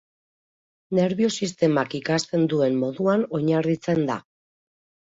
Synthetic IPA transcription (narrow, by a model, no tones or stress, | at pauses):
ne̞ɾβio̞sist̪e̞makikast̪e̞nd̪ue̞nmo̞ðuano̞ɲarit͡se̞nd̪a̰